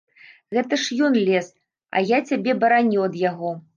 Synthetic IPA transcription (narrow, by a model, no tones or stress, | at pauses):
ɣɛt̪ɐʂjɔnlʲɛs | ɐ̰jat͡sʲabʲɛbɐɾanʲuɐd̪jaɣɔ